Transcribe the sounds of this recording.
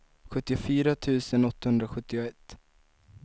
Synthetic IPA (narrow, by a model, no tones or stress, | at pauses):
ɧɵt̪ːɪʊfyːɾat̪ʰʉ̟ːsənɔt̪ːahɵnd̪ɾaɧɵt̪ːɪʊɛt̪ː